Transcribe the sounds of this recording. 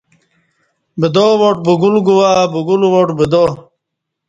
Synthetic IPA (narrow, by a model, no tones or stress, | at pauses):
bid̪owoʈ̚buɡulɡuwabuɡulwoʈbid̪o